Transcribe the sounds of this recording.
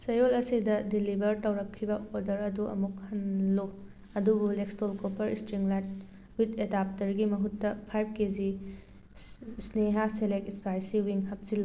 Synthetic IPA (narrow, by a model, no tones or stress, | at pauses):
sɐjolɐsidɐdilibɐɾtɐwɾɐkʰːibɐoɾdɐɾɐduɐ̰muk̚hɐnlo | ɐdubulekstolkopʰɐɾistɾiŋlat̚ | witedap̚tɐɾɡimɐɦutːɐpʰajb̚kezi | sneɦaselek̚ispajsiwiŋɦɐp̚silːo